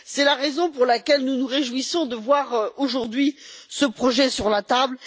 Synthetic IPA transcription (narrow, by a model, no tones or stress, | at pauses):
sɛlaʁezɔ̃puʁlakʲɛlnunuʁeʒwisɔ̃d̪əvwaʁoʒuʁd̪ɥisəpχɔʒɛsyʁlat̪abl